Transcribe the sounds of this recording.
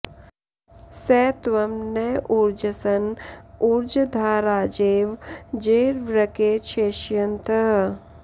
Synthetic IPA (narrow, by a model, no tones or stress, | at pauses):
sɛːt̪ʋɐmneʔuɾd͡ʒɐsɐnuɾd͡ʒɐd̪ʱaːɾaːd͡ʒeːʋd͡ʒeːɾʋɾɐkeːt͡ʃʰeːʃjɐnt̪ʰɐɦ